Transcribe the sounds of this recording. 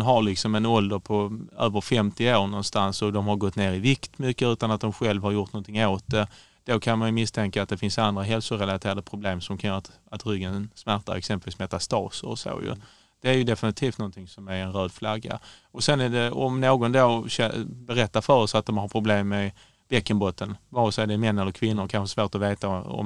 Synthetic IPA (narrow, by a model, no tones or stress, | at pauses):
nɦaɾlɪksɔmɛnɔld̪əɾpʰɔøːvəɾfɛmt̪ɪoːɳɔnst̪ansɔd̪ɔmɦaɾɡɔt̪ːneːɾɪvɪkt̪mʏkːəʉ̟ːt̪anat̪̚d̪ɔmɧɛlvhaɾjʊʈ̪nɔnt̪ʰɪŋːoːt̪̚d̪ɛ | d̪̥okʰanmajɵmɪst̪ʰɛŋkaaːt̪̚d̪ɛfɪnsand̪ɾaɦɛlsʊɾɛlat̪ʰeːɾad̪əpʰɾʊbleːmsɔmkʰanjœːɾat̪ | at̪ɾʏɡːənsmæɾt̪a̰ɾɛ̰ksɛmpəlviːsmɛt̪ast̪ɑ̰ːsəɾɔ̰so̰ːjɵ̰ | d̪̥ɛæɾjɵd̪ɛfɪnɪt̪ʰiːft̪nɔnt̪ʰɪŋsɔmæɾɛnɾøːd̪flaɡːa̰ɔsɛnæɖɛɔ̰mnoːɡɔnd̪oːɕɛbɛɾɛt̪ːafœɾɔsat̪̚d̪ɔmhaɾpʰɾʊbleːmːɛ | b̥ɛkːənbɔt̪ːənvɑɾsɔɛɖɛmɛnːɛlːəɾkʰvɪnːʊɾkʰanɧəsvoːɾʈ̪ɔveːt̪aɔ̰m